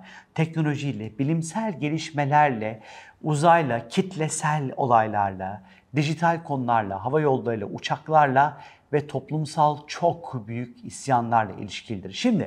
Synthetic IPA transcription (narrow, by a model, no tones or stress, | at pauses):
t̪ʰɛcno̞lʲo̞ʒijlʲɛbilʲimsælʲɟe̞lʲiʃme̞lʲæɾlʲɛuzajlˠacʰit̪ʰlʲɛsælʲo̞̰lˠajlˠaɾlˠa | d̪iʒit̪ʰalʲkʰo̞nulˠaɾlˠa̰ɦavajo̞lˠːaɾɯlˠa̰ut͡ʃʰaklˠaɾlˠa | vɛt̪ʰo̞plˠumsalˠt͡ʃʰo̞kʰbyjycisjanlˠaɾlˠa̰ḭlʲiʃcʰilʲid̪iɾʃimd̪ɪ̰